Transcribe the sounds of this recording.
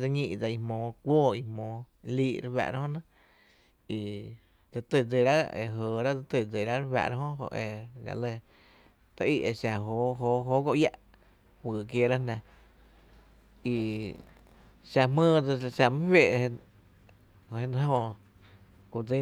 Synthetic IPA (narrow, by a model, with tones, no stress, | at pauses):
d͡zə˧ɲĩ˧ʔd͡za˧i˧mõː˨˦kʷoː˦˨i˧mõː˨˧ | liː˧ʔɾwa̰˧˨ʔɾa˦hõ˦nã˦ | i˧ | d͡zə˧t̪ə˧˨d͡ze˧˨ɾa˦ḛ˧ɦoː˨ɾa˦d͡za˧t̪ɨ˧˨d͡ze˨ɾa˦ɾwa̰˧˨ʔɾa˧˦hõ˦ɦo̰˧ʔe˧ɡa̰˧˨le˧ | t̪a˧ʔi˦˧ʔe˧˨ʃa˧ɦo˨˦ɦoː˧˦ɦo˦ɡo˧ʔja˧ʔ | hwɨː˨k̬je˧˨ɾa˦nã˧ | i˧ | ʃa˧mə̃ː˦˧d͡zʃa˧mɨ̃˦hwʲe˧˨ʔ | e˧ñ˧˦hõ˧ | ku˧d͡ze˦